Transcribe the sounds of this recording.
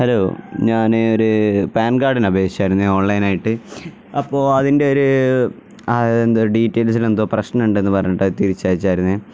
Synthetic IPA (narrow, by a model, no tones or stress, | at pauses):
hɐloːɲaːneo̞ɾupaːnɡaːɖinɐbʱe̞ːɡit͡ɕːaːjɾunːɐeo̞ːɳlɐjnaːjiʈːɨ | ɐpːo̞ːɭɐðinde̞o̞ɾu | ɐend̪oɖiːtːejls̬ile̞nd̪oːprɐɕnɐnuɳɖɨe̞nːɨpɐrɐ̰ɲːɐʈːɐðɨt̪iɾit͡ɕːaːðit͡ɕːaːjiɾunːɐe